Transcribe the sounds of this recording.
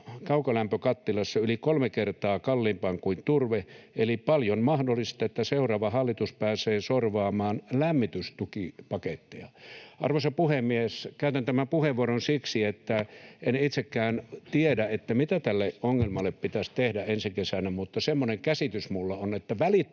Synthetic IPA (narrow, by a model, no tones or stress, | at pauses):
kɑukɑlæmpøkɑt̪ːilɑsːɑylikolmekert̪ɑːkɑlːiːmpɑŋkuint̪urʋeelipɑljonmɑhdolːˑist̪ɑet̪ːæseurˑɑːʋɑhɑlːit̪uspæːseːsorʋɑːmɑːnlæmːit̪yst̪ukipɑket̪ːeɑʔɑ̰rʋosɑpuhemːieskæˑyt̪ænt̪æmæmpuheʋːuoronsiksiet̪ːæenit̪sekːæːnt̪iedæet̪ːæmit̪æt̪ælːeʔoŋːelmɑlːˑeppit̪æst̪ehdæensikesænæmut̪ːɑsemːoneŋkæsit̪ysmulːɑonet̪ːæʋæli